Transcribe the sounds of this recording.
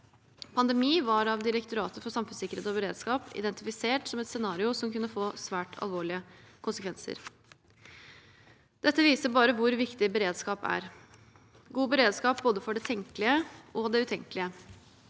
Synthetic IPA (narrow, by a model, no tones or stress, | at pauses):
pʰɑnd̪ɛmiːʋɑɾɑʋd̪ɪɾɛkt̪ʊɾɑːt̪əfɔsɑmfʉnsɪkəɾeːt̪ɔbəɾeːd̪skɑːpɪ̰d̪ɛnt̪ɪfɪseːʈsɔmɛt̪sɛnɑːɾɪʊsɔmkʉnːəfoːsʋæːʈʰɑ̰lʋoːɭɪəkʰʊnsəkʰʋɛnsə̰ɾ | d̪̥ɛt̪ːəʋiːsəbɑːɾəʋʊɾʋɪkt̪ɪbəɾeːd̪skɑːpæ̰ɾ | ɡuːbəɾeːd̪skɑːp̚boːd̪əfɔɖɛt̪ʰɛŋkəlɪəɔd̪ɛʉt̪ʰɛŋkəlɪə